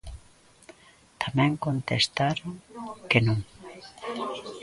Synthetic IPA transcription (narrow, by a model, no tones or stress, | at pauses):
t̪ʰamẽŋkõnt̪est̪aɾoŋkenũŋ